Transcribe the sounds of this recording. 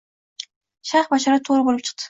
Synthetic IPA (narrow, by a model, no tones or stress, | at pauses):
ʃaχbɑʃɑɾɑt̪ʰoɾəbolˠɨp̚t͡ʃʰə̥q̚t̪ʰə̥